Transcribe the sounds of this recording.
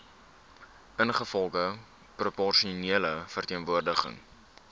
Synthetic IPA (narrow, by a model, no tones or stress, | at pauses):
ʔənχəfɔlˠɡə | propɔrʃioniələfərtiənvuərdəχə̰ŋ